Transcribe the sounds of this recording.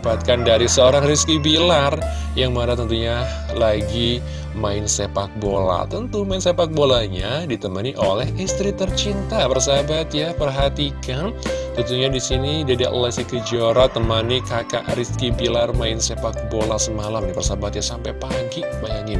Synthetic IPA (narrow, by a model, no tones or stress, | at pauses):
bat̪̚kandaɾisəoɾaŋriskibilar | jaŋməaɾat̪ənt̪uɲa | laɡi | maɪnsepak̚bola̰t̪ənt̪umaɪnsepak̚bolaɲadit̪əmaniʔolɛɦist̪ɾit̪ərt͡ʃint̪apərsabat̪japərɦat̪ikant̪ənt̪uɲadisinidiada̰ʔlɛsikəd͡ʒoɾat̪əmanikaka̰ʔriskibilarmaɪnsepak̚bolasəmalamdipərsabat̪̚jasampajpaɡibajaŋɪn